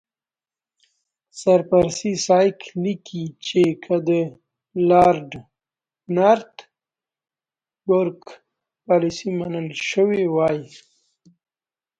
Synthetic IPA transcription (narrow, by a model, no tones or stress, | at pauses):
saɾpaɾasisɑjklikʰit͡ʃekʰad̪ə | lɑɾɖ | naɾt̪ | bʊɾk | pɑlisimanəlʃəwewɑji